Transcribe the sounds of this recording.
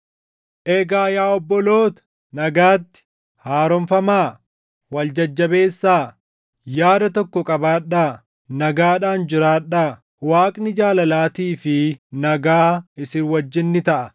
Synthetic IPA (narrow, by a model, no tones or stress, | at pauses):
ʔeːɡaːjaːɔbːɔlo̞ːt̪ɐ̥ | nɐɡaːt̪ːɪ̥ | haːɾɔmfɐmaː | wɐld͡ʒɐd͡ʒːɐbe̞ːsːaː | jaːd̪ɐt̪ɔkːɔkʼɐbaːᶑːaː | nɐɡaːᶑaːnd͡ʒɪɾaːᶑaː | waːkʼnɪd͡ʒaːlɐlaːt̪iːfɪnɐɡaːɪsɪnwɐd͡ʒːɪnːɪt̪ɐʔɐ